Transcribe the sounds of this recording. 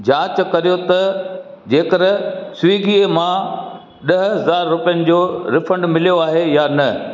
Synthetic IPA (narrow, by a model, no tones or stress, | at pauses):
d͡ʑaːt͡ɕkɐɾijot̪ɐ | d͡ʑeːkəɾsʊʋiːɡiːemã | ɗɐɦɦɐzaːɾːʊpijənɪ̆d͡ʑoːɾɪfə̃ɳɖmɪlijoaːɦejanɐ